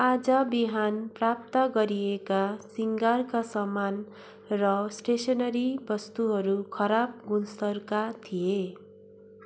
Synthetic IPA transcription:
ad͡zʌbiɦanprap̚t̪ʌɡʌɾiekasiŋɡarkasʌman | rʌsʈesʌnʌɾibʌst̪uɦʌɾukʰʌɾab̚ɡunsʌrkat̪ʰije

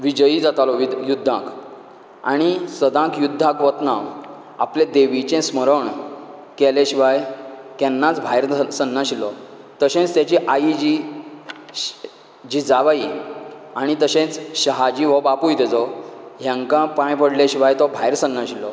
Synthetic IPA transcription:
ʋid͡ʑəid͡zat̪alɔʋijud̪ʱːãk | aɽ̃isəd̪ãkjud̪ʱːãkʋət̪naʋ | a̰pled̪eʋit͡ɕɛ̃sməɾəɳkɛlẽɕiʋajk̪ɛnːat͡sbʱajɾsənːãɕilɔ | t̪əɕẽt͡st̪jat͡ɕiʔaid͡ʑi | d͡ʑid͡zaʋai | aɽ̃it̪əɕẽt͡sɕəɦad͡ʑiʋɔbapujt̪ɛt͡sɔɦjãŋkãpãjpəɽlɛɕiʋajt̪ɔbʱajɾsənːãɕilɔ

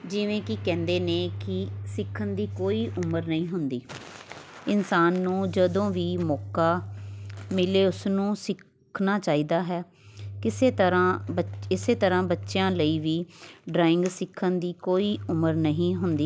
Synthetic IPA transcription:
d͡ʒɪʋẽːkɪkɛ̃ːnd̪eːnẽːkɪsɪkʰːənd̪iːkoːiːʔʊməɾnəɦĩːɦʊnd̪iː | ɪnsaːnːũːd͡ʒəd̪õːʋiːmɔːkaː | mɪleːʊsnũːsɪkʰː | naːt͡ʃaːiːd̪aːɦɛː | kɪseːt̪əɾãːbəɪseːt̪əɾãːbətːʃjãːləiːʋiːɖɾaːɪ̃ŋɡsɪkʰːənd̪iːkoːiːʊməɾnəɦĩːɦʊnd̪iː

